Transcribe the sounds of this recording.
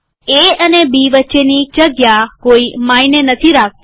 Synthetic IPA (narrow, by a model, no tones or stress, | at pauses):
eənebiʋətːʃenid͡ʒəɡjakoimainenət̪ʰiɾak̚ʰt̪